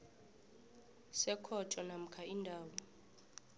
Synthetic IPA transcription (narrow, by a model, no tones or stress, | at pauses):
sɛkʰɔtʰʼɔnam̩kʰaindʱaːwɔ